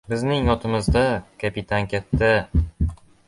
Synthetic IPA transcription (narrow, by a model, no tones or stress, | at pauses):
bɪznɪŋjɒt̪ʰɪmɪzd̪akʰapit̪ʰaŋkʲat̪ːa